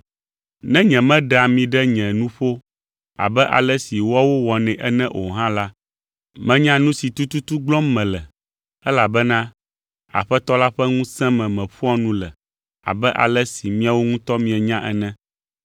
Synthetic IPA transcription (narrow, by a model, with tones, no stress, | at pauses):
nɛ̃˦ɲɛ̃˨mɛ̃˦ɖa˨mĩ˨ɖɛ˦ɲɛ̃˨nũ˦ɸo˦ | a̰˨bɛ˦ʔa̰˨lɛ˦si˨wɔ˦wo˦wɔ˨nɛ̃˨ʔɛ˦nɛ̃˦ʔo˨ɦã˦la˦ | mɛ̃˦ɲã˦nũ˦si˨t̪u˦t̪u˦t̪u˦ɡ͡blɔ˦mːɛ̃˨lɛ˨ | ɛ˦la˨bɛ˦nã˦ | a̰˨ɸɛ˦t̪ɔ˦la˦ɸɛ˦ŋũ˦sɛ̃˦mɛ̃˨mɛ̃˨ɸu˦ɔ˦nũ˦lɛ˨ | a̰˨bɛ˦ʔa̰˨lɛ˦si˨mĩ˦a˨wo˦ŋũ˦t̪ɔ˦mĩ˨ɛ˨ɲã˦ʔɛ˦nɛ̃˦